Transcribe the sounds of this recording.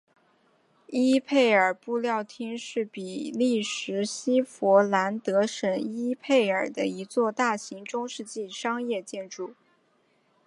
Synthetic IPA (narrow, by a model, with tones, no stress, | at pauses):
i˥pʰe˥˩ɪə˞˨˩pu˥˧ljɑ˥˩ʊt̪ʰi˥ŋʂɻ̩˥˩pi˨˩li˥˩ʂɻ̩˧˥ɕi˥fwɔ˧˥la˧˥nt̪ɤ˧˥ʂə˨˩ŋi˥pʰe˥˩ɪə˞˨˩d̪ə̰˦i˧˥t͡swɔ˥˧t̪a˥˩ɕi˧˥ŋʈ͡ʂʊ˥ŋʂɻ̩˥˧t͡ɕi˥˩ʂɑ˥ŋjɛ˥˧t͡ɕjɛ˥˧nʈ͡ʂu˥˩